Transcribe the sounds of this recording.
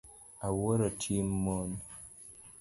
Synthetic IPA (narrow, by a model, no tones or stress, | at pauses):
awoɾɔtʰimmɔn